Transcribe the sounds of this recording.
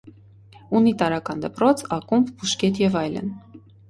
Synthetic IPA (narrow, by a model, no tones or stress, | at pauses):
unit̪ɑɾɑkɑnd̪əpɾɔt͡sʰɑkumbbuʃkɛt̪jɛvɑjlə̰n